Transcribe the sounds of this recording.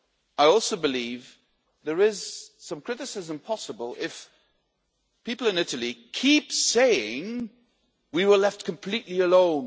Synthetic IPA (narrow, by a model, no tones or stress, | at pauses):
aɪɔlˠsoʊbɨliv | ðə˞ɪz̥sʌ̃mkʰɹ̥ɪɾɨsɨzə̃mpʰɑsəbəlˠɪf | pipl̩ˠɨ̃nɪɾəl̩ˠikʰipseɪɪ̃ŋ | wiwə˞lɛft̚kʰɨ̃mpʰl̥iʔˡliəlõʊ̃n